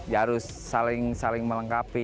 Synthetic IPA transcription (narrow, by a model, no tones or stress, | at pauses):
jaɾʊsːalɪŋsalɪŋmələŋkapi